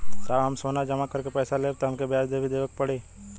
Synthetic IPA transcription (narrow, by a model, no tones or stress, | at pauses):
kaːɦɐmsoːnad͡ʒɐmakəɾkepɛːsaleːt̪oɦɐmkebjaːsd̪eːbʱid̪eːʋək̚pəɽeː